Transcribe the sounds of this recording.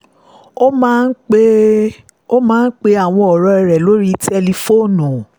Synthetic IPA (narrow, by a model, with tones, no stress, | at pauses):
o˦mã˦n̩˦e˦ | o˦mãː˦n̩˦k͡pe˧a˨w̃ɔ̃˧ɔ˨ɾɔ˧ɛ˧ɾɛ˨lo˦ɾi˦tɛ˧li˧fo˦˨nũ˨